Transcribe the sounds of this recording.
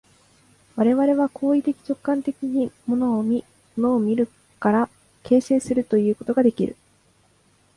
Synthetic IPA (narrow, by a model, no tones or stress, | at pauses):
βaɾe̞βaɾe̞βakʰo̞ːit̪e̞kʲi̥t͡ɕo̞kːãnt̪e̞kʲiɲ̟imo̞no̞ːmʲi | monoːmʲiɾɯ̟ | kaɾa | ke̞ːse̞ːsɨɾɯ̟t̪o̞jɯ̟ːko̞t̪o̞ɡad̪e̞kʲḭɾɯ̟̰